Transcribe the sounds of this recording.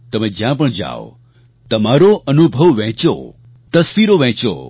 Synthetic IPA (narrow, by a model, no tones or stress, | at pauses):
t̪əmẽd͡ʒjãpəɳd͡ʒa̰o̰ | t̪əmaɾoʔənubʱəʋʋɛ̃t͡ʃo̰ | t̪əsʋiɾoʋɛ̃t͡ʃo̰